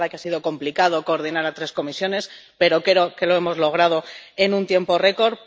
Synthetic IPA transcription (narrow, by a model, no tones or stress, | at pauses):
akeasiðo̞ko̞mplikað̞oko̞ːɾð̞inaɾat̪ɾe̞sko̞misjo̞ne̞spe̞ɾo̞keɾo̞ke̞loe̞mo̞zlo̞ɣ̞ɾað̞o̞e̞nũnt̪je̞mpo̞re̞ko̞ɾ